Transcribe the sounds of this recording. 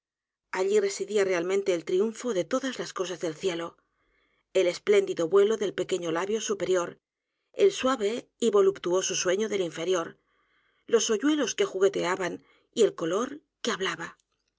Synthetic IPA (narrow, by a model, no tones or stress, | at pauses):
aʎire̞siðiare̞almẽnt̪e̞ːlt̪ɾiuɱfo̞ðe̞t̪o̞ðazlasko̞sazðe̞lθje̞lo̞ | e̞le̞sple̞nd̪iðo̞βwe̞lo̞ðe̞lpe̞ke̞ɲo̞laβjo̞supe̞ɾjo̞ɾ | elswaβe̞iβo̞lupt̪uo̞soswe̞ɲoðe̞liɱfe̞ɾjo̞ɾ | lo̞so̞ʝwe̞lo̞ske̞xuɣe̞t̪e̞aβan | ie̞lko̞lo̞ɾ | ke̞aβlaβa